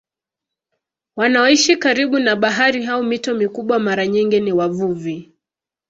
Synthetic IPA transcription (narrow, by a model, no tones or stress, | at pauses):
wanaɔiʃikaɾiɓunaɓaɦaɾiɦaɔmitɔmikuɓwamaɾaɲiŋɡiniwavuvi